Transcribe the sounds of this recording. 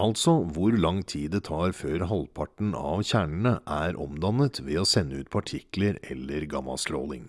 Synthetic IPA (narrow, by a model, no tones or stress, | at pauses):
ɑlt̪sɔʋʊɾlɑŋt̪ʰiːd̪ɛt̪ʰɑːɾføːɾɦɑlpʰɑʈn̩ɑʋçæːɳəɳəʔæɾʔɔmd̪ɑnət̪ʋeːoːsɛnːəʉːt̪̚pʰɑʈʰɪkləɾɛlːəɾɡɑmɑ̰lst̪ɾoːlɪ̰ŋ